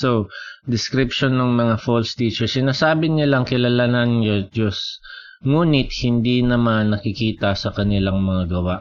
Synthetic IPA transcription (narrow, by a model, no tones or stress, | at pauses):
sod̪ɪskɾɪpʃonːoŋmɐŋafolst̪iːt͡ʃɛsɪnaːsaːbɪnɪlaŋkɪlɐlananɲod͡ʒos | ŋuːnɪt̪̚hɪnd̪inɐmanːɐkɪkiːt̪ɐsɐkɐnɪlaŋmɐŋaɡɐwaʔ